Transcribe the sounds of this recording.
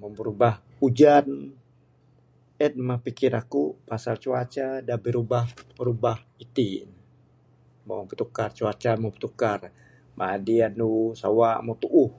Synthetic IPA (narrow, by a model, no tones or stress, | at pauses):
məməɾubah | ud͡ʒan | ɛt̪̚mahpikɪɾakupasalt͡ʃuat͡ʃadabiɾubahməɾubahit̪i | maŋpət̪ukart͡ʃuat͡ʃamupə̥t̪ukar | madianusa̰wamut̪uʔːh